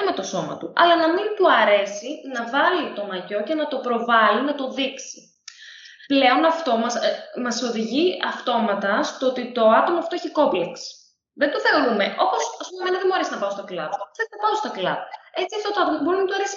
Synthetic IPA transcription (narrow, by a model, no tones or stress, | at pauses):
me̞t̪o̞so̞mɐ̰t̪uʔɐlɐnɐmint̪uɐɾe̞sinɐvɐlit̪o̞nɐʝo̞ce̞nɐt̪o̞pɾo̞vɐlinɐt̪o̞ðiksi̥ | ple̞o̞nɐft̪o̞mɐsmɐso̞ðiʝiɐft̪o̞mɐt̪ɐst̪oot̪it̪o̞ɐt̪o̞mɐft̪oeçiko̞pleks | ðend̪oθe̞o̞ɾume̞ʔo̞posɐspumɐmenɐðemboɾesinɐpɐost̪oklɐðeznɐpɐost̪oklɐ̰ðe̞t͡siɐft̪ot̪oɐt̪omɐt̪uboɾinmint̪oɐɾesi̥